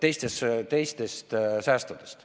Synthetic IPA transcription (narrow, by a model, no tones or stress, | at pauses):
t̪e̞jst̪est̪e̞jst̪e̞st̪sæːst̪ud̪̥e̥st̪